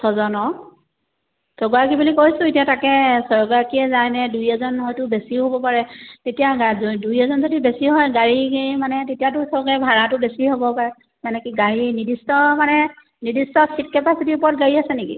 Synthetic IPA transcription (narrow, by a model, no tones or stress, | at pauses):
sʰɔzɔnɔ | tɔɡɔakibulikojsʊ̃itijatakɛsɔɹɡɔakiɛzajnɛdujɛzɔnɦɔjtʊbesiɦobɔpaɹɛtetijaɡadujɛzɔnzodibesiɦɔjɡaɹikimanɛtetijatʊsɔɹɡɛbʱaɹatʊbesiɦobɔpaɹɛ | manɛkiɡaɹinidistɔmanɛ | nidistɔsit̚kɛpasitiʊpɔɹɔt̚ɡaɹiasɛnekḭ